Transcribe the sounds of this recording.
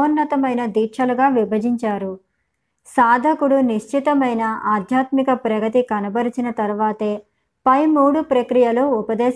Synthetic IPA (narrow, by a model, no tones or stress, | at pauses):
ɐnːɐt̪ɐmɐjnɐd̪iːʂɐluɡaːʋibʱɐd͡ʒiɲt͡ʃaːɾu | saːd̪ʱɐkuɽuniʃt͡ʃʰit̪ɐmɐjnɐʔaːd̪ʱjaːt̪mikɐpɾɐɡɐt̪̬ikɐnɐbɐɾit͡ʃinɐt̪ɐɾuʋaːt̪eː | pɐjmuːɽupɾɐkɾijɐluːpɐd̪ɛː